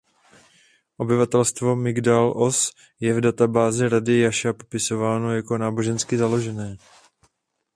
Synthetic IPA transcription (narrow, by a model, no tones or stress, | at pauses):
ʔo̞bɪvat̪ɛlst̪vo̞mɪɡdalʔo̞s | jɛvdat̪abaːzɪɾadɪjaʃapo̞pɪso̞vaːno̞jako̞naːbo̞ʒɛnskɪzalo̞ʒɛnɛː